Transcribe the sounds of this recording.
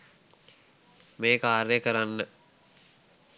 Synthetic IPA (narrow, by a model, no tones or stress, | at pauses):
meːkaːɾjəkəɾanːə